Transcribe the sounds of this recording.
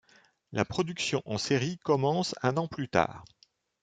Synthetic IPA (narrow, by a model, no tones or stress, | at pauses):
lapχɔd̪yksjɔ̃ʔɑ̃seʁikɔmɑ̃sɛ̃nɑ̃plyt̪a̰ːʁ